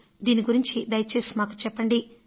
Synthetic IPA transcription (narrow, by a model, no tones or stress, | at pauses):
d̪iːniɡuɾiɲt͡ʃid̪ɐjɐt͡ʃe̞ːsi̥maːku̥t͡ʃɛpːɐɳɖi